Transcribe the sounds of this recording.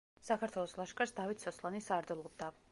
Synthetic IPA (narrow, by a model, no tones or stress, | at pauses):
sakʰaɾt̪ʰwɛlˠɔslˠaʃkʼasd̪avit̪ʰsʰɔslˠanisaɾd̪ɛlˠɔb̚d̪a